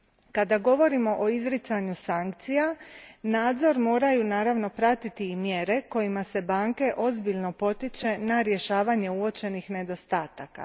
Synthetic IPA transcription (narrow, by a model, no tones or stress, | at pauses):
kad̪aɡo̞ʋo̞ɾimo̞ʔoizɾit̪saɲusaŋk̚t̪sijanaːd̪zo̞ɾmo̞ːɾajunaːɾaʋno̞pɾat̪it̪iːmje̞ɾe̞ko̞jimase̞baːŋke̞ʔo̞zbiʎno̞po̞t̪it͡ʃe̞naɾje̞ʃaːʋaɲe̞uo̞t͡ʃe̞nixne̞d̪o̞st̪aːt̪aka̰